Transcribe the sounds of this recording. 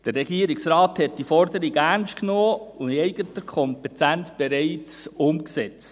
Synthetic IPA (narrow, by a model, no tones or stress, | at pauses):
d̥əɾɛɡiəɾiksɾɑːthɛt̚d̥ifɔɾdəɾiɡæɾnsʃtknoːʊniɛɪɡətəkʰɔmpɛtʰæntb̥eɾɛɪt͡sʊmksɛt͡st